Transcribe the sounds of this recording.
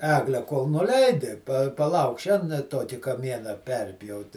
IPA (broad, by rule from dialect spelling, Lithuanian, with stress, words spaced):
ˈæːɡlʲæː koːlˠ nʊˈlʲɛɪdʲɪ pɐ pɐˈlˠɐʊk ˈʃʲɛn ˈtoːkʲɪ kɐˈmʲiɛnɐ ˈpʲɛrʲpʲjɛʊtʲɪ